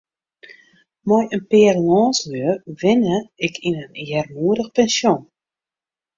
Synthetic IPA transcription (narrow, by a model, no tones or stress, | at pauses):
mɔjənpɪːrlɔːnsløərʋɪnəɪkʰinənjɛrmuəɾəxpɛnsjon